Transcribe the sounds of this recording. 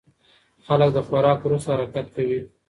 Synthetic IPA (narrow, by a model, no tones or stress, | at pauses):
xalək̚d̪əxaɾɑkwɾust̪ahaɾakat̪̚kawi